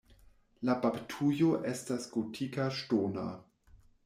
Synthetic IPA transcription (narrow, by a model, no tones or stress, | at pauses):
labaptʰujoʔestasɡ̥otʰikaʃtona̰